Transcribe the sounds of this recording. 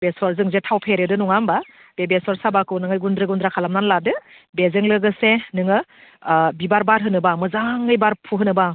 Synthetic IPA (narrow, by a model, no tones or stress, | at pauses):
besɔɾzɯŋzetʰawpʰeɾedɯnuŋamba | b̥ebesɔɾsabakɯnɯŋɯjɡundɾɯɡundɾakʰalamnanladɯ | bezɯŋlɯɡɯsenɯŋɯ | bibaɾbaɾɦɯnɯbamɯzaŋɯjbaɾpʰuɦɯnɯba